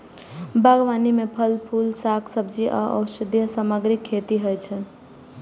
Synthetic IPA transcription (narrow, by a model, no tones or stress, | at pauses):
bʱəɡʋaːnimepʰəlpʰulsakʰsəb̚d͡ʒiʔə̰ɔ̰sɪd̪jəsaməɡɾikʰːet̪iɦəjt͡ʃʰən